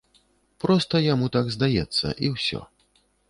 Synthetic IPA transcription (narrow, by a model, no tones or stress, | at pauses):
pɾɔst̪ɐjamut̪aɡzd̪ajɛt̪sːɐ̰ʔiwsʲɔ̰